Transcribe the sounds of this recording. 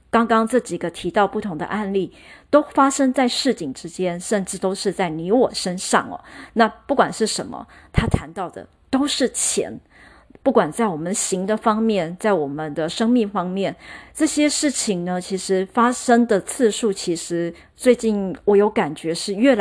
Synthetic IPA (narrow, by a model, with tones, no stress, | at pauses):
kɑ˥ŋkɑ˥ŋʈ͡ʂɤ˥˩t͡ɕi˨˩ɡə˦t̪ʰi˧˥t̪ɑ˥˧ʊpu˥˩t̪ʰʊ˧˥ŋd̪ə̰˧ʔa˥˧nli˥˩ | t̪o˥ʊfa˥ʂɤ˥ŋt͡sa˥˧ɪʂɻ̩˥˩t͡ɕi˨˩ŋʈ͡ʂɻ̩˥t͡ɕjɛ˥nʂə˥˧nʈ͡ʂɻ̩˥˩t̪o˥ʊʂɻ̩˥˧t͡sa˥˩ɪni˧˥wɔ˨˩ʂə˥nʂɑ̰˥˩ŋɐ̰˩na˥˧pu˥˩kwa˨˩nʂɻ̩˥˩ʂə˧˥nmə̰˧t̪ʰa˥t̪ʰa˧˥nt̪ɑ˥˩ʊd̪ə̰˩ | t̪o˥ʊʂɻ̩˥˩t͡ɕʰjɛ̰˧˥n | pu˥˩kwa˨˩nt͡sa˥˩ɪwɔ˨˩mə˦nɕi˧˥ŋd̪ə˧fɑ˥ŋmjɛ˥˩nt͡sa˥˩ɪwɔ˨˩mə˦nd̪ə˧ʂɤ˥ŋmi˥˩ŋfɑ˥ŋmjɛ˥˩nʈ͡ʂɤ˥˩ɕjɛ˥ʂɻ̩˥˩t͡ɕʰi˨˩ŋnə˦t͡ɕʰi˧˥ʂɻ̩˧˥fa˥ʂɤ˥ŋd̪ə˨t͡sʰɹ̩˥˧ʂu˥˩t͡ɕʰi˧˥ʂɻ̩˧˥ | t͡swe˥˧ɪt͡ɕi˥˩nwɔ˧˩jo˧˥ʊka˨˩nt͡ɕɥɛ˧˥ʂɻ̩˥˧ɥɛ˥˩l